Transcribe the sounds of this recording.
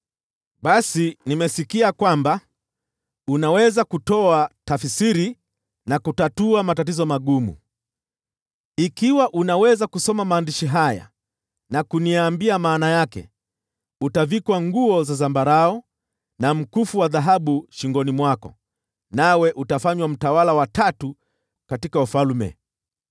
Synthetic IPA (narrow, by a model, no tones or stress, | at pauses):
ɓasinimɛsikiakwamba | unawɛzakutɔatafsiɾi | nakutatuamatatizɔmaɠumṵ | ikiwaʔunawɛzakusɔmamaːndiʃiɦaja̰ | nakuniambiamaːnajakɛ̰ | utavikwaŋɡuɔzazambaɾaɔ | nam̩kufuwaðaɦaɓuʃiŋɡɔnimwakɔ̰ | nawɛʔutafaɲwam̩tawalawatatu | katikaufalmɛ̰